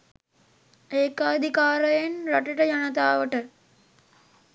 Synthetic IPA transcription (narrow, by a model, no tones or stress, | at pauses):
eːkaːd̪ʱikaːɾəjenɾaʈəʈəd͡ʒanət̪aːʋəʈə